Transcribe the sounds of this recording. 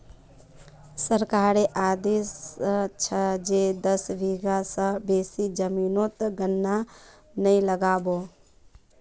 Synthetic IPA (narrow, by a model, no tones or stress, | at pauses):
səɾkaːɾeʔaːd̪eːst͡ʃʰəd͡ʒed̪əsʋʱiɡasə̃beːsid͡ʒəmiːnot̪ɡənːa | nəiləɡaːbo